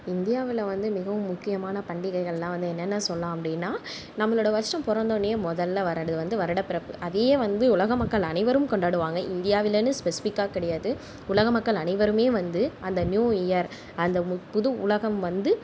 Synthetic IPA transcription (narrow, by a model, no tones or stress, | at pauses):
ɪnd̪ɪjaːʋɪlɐʋɐnd̪ɯmɪɣɐʋɯmʊkːɪjɐmaːnɐpɐɳɖɪɣɐɪɣɐɭɛlːãːʋɐnd̪ɯɛnːɛnːɐsɔlːãːɐpːɐɽɪnːaː | nɐmːɐɭɯːɽɐʋɐɾsʈɐmpɔɾɐnd̪oːneemɔðɐlːɐʋɐɾɐɽɯðɯʋɐnd̪ɯʋɐɾɐɽɐpɪɾɐpːɯʔɐðejeːʋɐnd̪ɯʊɭɐɣɐmɐkːɐɭɐnɪʋɐɾɯmkɔɳɖaːɽɯʋaːŋɡɐʔɪnd̪ɪjaːʋɪlɐnɯspɛsɪ̥fɪkːaːkɪɽɛjaːðɯ | ʊlɐɣɐmɐkːɐɭɐnɐɪʋɐɾɯmeːʋɐnd̪ɯɐnd̪ɐnjuːɪjɐɾ | ɐnd̪ɐpʊðɯʊlɐɣɐmʋɐnd̪ɯ